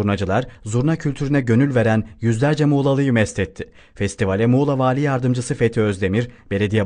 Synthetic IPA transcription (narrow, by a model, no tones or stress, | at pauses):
uɾnad͡ʒɯlˠaɾzuɾnacʰylʲt̪ʰyɾynɛɟø̞nylʲve̞ɾænjyzlʲæɾd͡ʒɛmuːlˠalˠɯjɯmɛst̪ʰɛt̪ʰːɪ | fɛst̪ʰivalʲɛmuːlˠavaːlʲijaɾd̪ɯmd͡ʒɯsɯfet̪ʰiø̞zd̪e̞miɾbe̞lʲe̞d̪ija